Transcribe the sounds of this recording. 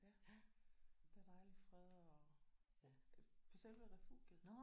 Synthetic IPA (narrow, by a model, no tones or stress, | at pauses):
jæ | d̥æd̥ɑ̈ɪlifʁɛðˠɒ | fɒsel̰ʋəʁɛfṵɡ̥jə